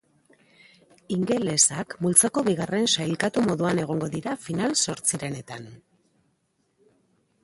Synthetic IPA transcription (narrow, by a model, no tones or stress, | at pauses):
iŋɡe̞le̞sakmult͡sako̞βiɣ̞are̞nsajlkat̪umo̞ðuane̞ɣ̞o̞ŋɡo̞ðiɾafinalso̞ɾt͡siɾe̞ne̞t̪an